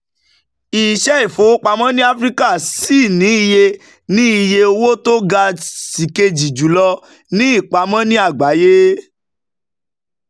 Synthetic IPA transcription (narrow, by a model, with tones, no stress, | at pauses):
i˨ʃɛ˦i˦˨fo˨˦k͡pa˧mã˦nĩ˦a˦fɾi˦ka˦˨si˦˨nĩ˨˦i˧je˧ | nĩ˦i˧˨je˧o˧wo˦to˦ɡa˧si˨ke˧d͡ʒi˨d͡ʒu˨˦lɔ˧ | nĩ˦i˦˨k͡pa˨˧˦mã˦nĩ˦a˦˨ɡ͡ba˨˦je˦